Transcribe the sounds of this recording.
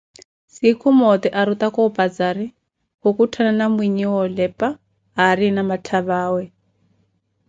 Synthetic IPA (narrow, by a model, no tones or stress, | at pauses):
sikʰumɔt̪ɛʔaɾut̪akɔpʼad͡zaɾi | hukutʰananamwiɲiwɔlɛpʼa | ɦaɾinamatʰaβaːwɛ